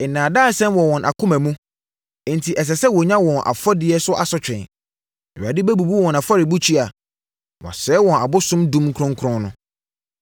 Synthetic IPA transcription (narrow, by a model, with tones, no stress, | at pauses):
ɛ˨nãː˨daː˦˨sɛ̃˦mwɔ˨wɔ̃˨nʔa̰˨kʰʊ̃˦mæ̃˨mũ˦ | ntʰi˨ʔɛ˨s̬ɛ˨sɛ˦wɔ˨ɲã˦wɔ̃˨nʔa̰˨fɔ˦dɪ˦ɛ˦sʊ˦ʔa˨sɔ˦t͡ɕᶣɛ̰̃˨n˨ | a̰˨dɪ˦bæ˦bu˨bu˦wɔ̃˨na˨fa˦ɾɪ˨bu˦t͡ɕʰi˦a˨ | wɔ̰̃˨sɛː˨˦wɔ̃˨na˨bʊ˦sʊ̃˦mdũ˦m˦kʰɾɔ̃˦ŋkʰɾɔ̃˦nnʊ̃˦